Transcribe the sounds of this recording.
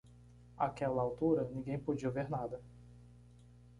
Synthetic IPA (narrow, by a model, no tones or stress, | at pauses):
a̰kɛlɐawt̪uɾɐnĩɡẽj̃pod͡ʒiɐveɾnad̪ɐ